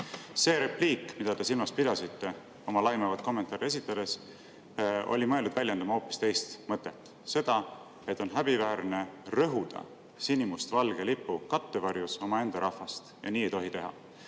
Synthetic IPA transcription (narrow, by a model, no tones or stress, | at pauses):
se̞ːɾe̞pliːkˑmid̪̥ɑd̪e̞silmɑspid̪ɑsit̪ːe̞ | o̞mɑlɑjmevɑt̪̚ko̞mːe̞nt̪ːˑɑːɾie̞sit̪ːˑɑd̪̥e̞s | o̞̰lʲimɤ̞eld̪ud̪vælʲjend̪ɑmɑo̞ːpːist̪e̞jst̪mɤt̪ːˑe̞t̪ːˑ | se̞d̪̥ɑ | e̞t̪ːˑo̞nɦæb̥ivæːɾne̞rɤɦud̪̥ɑ̰ | sinimust̪vɑlɡelipːukɑt̪ːevɑrjuso̞mɑe̞nd̪̥ɑɾʔɑhfɑst̪jɑ̰niːejt̪o̞ɦit̪e̞ɦɑ̰